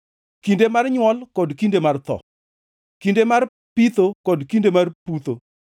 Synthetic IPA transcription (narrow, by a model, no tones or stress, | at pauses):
kindemarɲwɔlkɔdkindemart̪ɔ̰ | kindemar | pit̪okɔdkindemarput̪o